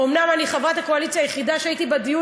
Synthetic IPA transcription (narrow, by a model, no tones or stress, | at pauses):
omnamaniχavʁat̪hakoalit͡sjajeχid̪aʃeait̪ibad̪iju